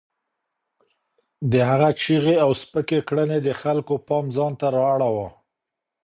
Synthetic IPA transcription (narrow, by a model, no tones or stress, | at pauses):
d̪əhaɣat͡ʃiɣeawspəkekɽəned̪əxalkopɑmzɑnt̪aɾɑːɽawa